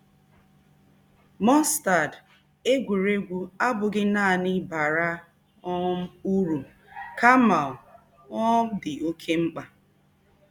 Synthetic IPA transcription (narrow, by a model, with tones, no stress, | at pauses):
mɔ˦nsta˨d | e˦ɡʷu˨ɾe˦ɡʷu˦a˦bʊ˨ɡɪ˦naː˦˨nɪ˦ba˨ɾa˦ | ɔ˦m̩˦u˦ɾu˨ | ka˦ma˨ | ɔ˦dɪ˨o˦kʰe˦ŋ͡m̩˦k͡pa˨